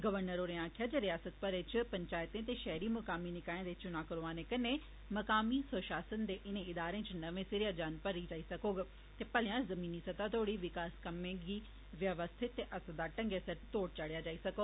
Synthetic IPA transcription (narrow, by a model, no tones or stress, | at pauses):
ɡəʋəɾnəɾoːɾɪãːkʰjaːd͡ʒeɾɪjaːsət̪̚pəɾɪt͡ʃpəɲt͡ʃaːjt̪ẽːt̪̬eːʃɛːɾiːmɐkaːminɪkaːẽd̪et͡ʃʊnãːkəɾoaːneːkɐne | mɐkaːmisoːʃaːsənd̪eːʔɪnẽɪd̪aːɾẽːt͡ʃnɐʋẽːsɪɾɪjaːd͡ʒaːnpəɾid͡ʒaːisɐkoːɡ | t̪eːpəlɪjãːzɐmiːniːsɐt̪aːt̪ʰoːɽiːʋɪkaːskəmẽːɡiː | ʋjəʋəst̪ʰɪt̪ːeːʔɐsd̪aːʈə̃ŋɡesəɾt̪oːʈ̚t͡ʃaɽɪjaːd͡ʒaːisɐkoː